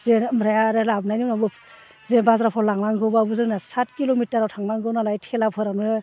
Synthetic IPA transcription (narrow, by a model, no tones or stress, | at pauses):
zenmɾajaɾɯlabnajniwnabɯ | zenbazɾapʰɔlaŋnaŋɡɯwbabɯzɯnasat̚kilomitaɾawtʰaŋnaŋɡɯwnalajtʰelapʰɯɾanu